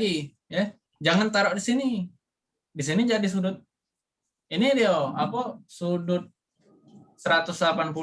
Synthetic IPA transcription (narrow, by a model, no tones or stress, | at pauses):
i | jɛ | d͡ʒaŋant̪aɾɔʔdisini | dis̬inid͡ʒadis̬udʊt̪̚ | inidioapɔsudʊt̪̚ | səɾat̪ʊslapanpu